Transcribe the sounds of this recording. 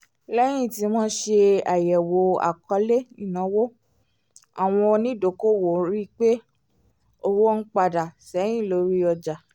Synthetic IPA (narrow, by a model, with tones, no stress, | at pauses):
lɛ˦j̃ĩ˦˨ti˨˦mɔ̃˦ʃe˧a˨jɛ˨wo˨˦a̰˨kɔ˧˦le˦i˨nã˨˦wo˦ | a˨w̃ɔ̃˧nĩ˦do˨ko˦˨wo˨˦ɾi˦k͡pe˦ | o˧wo˦n̩˦k͡pa˧˨da˨sɛ˨˦j̃ĩ˦˨lo˨˦ɾi˦ɔ˧d͡ʒa˨